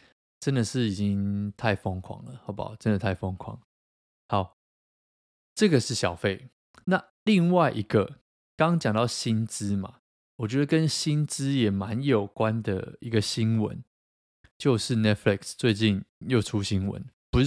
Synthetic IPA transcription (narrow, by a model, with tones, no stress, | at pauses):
ʈ͡ʂə˦nd̪ə˨ʂɻ̩˥˩i˨˩t͡ɕi˦ŋt̪ʰa˥˩ɪfɔ˥ŋkʰwɑ̰˨˦ŋlə˨hɑ˧˥ʊpa̰˨˩ʈ͡ʂə˦nd̪ə˨t̪ʰa˥˩ɪfɔ˥ŋkʰwɑ̰˨˦ŋ | ha˨˦ʊ | ʈ͡ʂɤ˥˨ɡə˨ʂɻ̩˥˩ɕjɑ˨˩ʊfe˥˩ɪ | na˥˨ | li˥˧ŋwa˥˩ɪʔi˧˥ɡə˨ | kɑ˥˦ŋɑ˥ŋt͡ɕjɑ˨˩ŋt̪ɑ˥˨ʊɕi˦nt͡sɹ̩˦ma̰˨ | wɔ˨˩t͡ɕɥɛ˦d̪ə˨kə˦nɕi˦nt͡sɹ̩˦jɛ˨˩ma˧˦njo˨˩ʊkwa˦nd̪ə̰˨˩i˧˦ɡə˨ɕi˦˥nwə̰˧˦n | t͡ɕjo˥˧ʊʂɻ̩˥˩nɛ˥t̪̚fli˥˩kst͡swe˥˧ɪt͡ɕi˥˨njo˥˩ʊʈ͡ʂʰu˦ɕi˦nwə̰˧˦npu˧˦